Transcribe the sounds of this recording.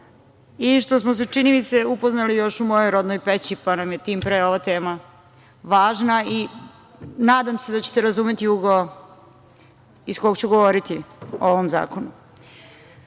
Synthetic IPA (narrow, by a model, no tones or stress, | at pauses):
iʃt̪o̞smos̬et͡ʂiniʋit̪se̞upo̞znalijo̞ʃumojo̞jɾo̞d̪nojpet͡ɕipanamje̞t̪iːmpɾeo̞ʋat̪e̞ːma | ʋaːʒnai | naːd̪amse̞d̪at͡ɕe̥t̪e̞ɾazume̞t̪iuɡo | iskoɡt͡ɕuɡo̞ʋoɾit̪iooʋo̞mza̰ːko̞nu